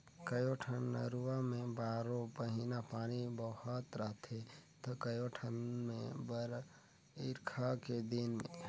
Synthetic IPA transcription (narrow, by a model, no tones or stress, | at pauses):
kəjoːʈʰənːə̰ɾuwamẽbaːɾõpəɦinapaːnibəhʊt̪ɾəɦt̪et̪okəjoʈʰənmḛ̃bəɾ | ɪɾkʰaked̪ɪnmẽ